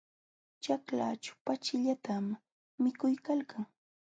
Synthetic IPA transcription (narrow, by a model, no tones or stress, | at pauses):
t͡ʃakla̰t͡ʃʊ̥pat͡ʃɪʎat̪amː | ɪkʊjkalkaŋ